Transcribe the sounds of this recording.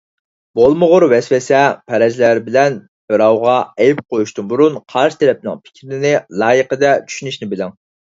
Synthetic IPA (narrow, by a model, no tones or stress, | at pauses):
b̥olˠmʊʁʊɾwɛswɛsɛpʰɛɾɛzlæɾbɪlɛn | b̥ɨɾɑwʁɑɛjp̚qʰojuʃt̪unbuɾunqʰɑɾʃt̪ʰɛɾɛp̚nɪ̰ŋpʰɪ̥kʲɾɪnɪlˠɑːjəqəd̪ɛt͡ʃʰy̥ʃynyʃnɪbɪlɪŋ